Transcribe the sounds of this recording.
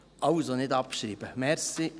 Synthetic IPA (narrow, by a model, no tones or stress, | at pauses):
ʔɑʊsonɪd̪ɑp̚ʃɾiːb̥əmɛɾsi